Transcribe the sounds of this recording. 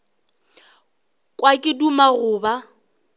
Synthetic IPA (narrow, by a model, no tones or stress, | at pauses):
kʼwakʼɪdumaɣʊːba